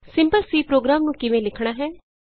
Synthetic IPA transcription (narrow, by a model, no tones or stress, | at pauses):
sɪ̃mpəlsiːpɾoːɡɾaːmnũkɪʋẽlɪkʰɽ̃aːɦɛː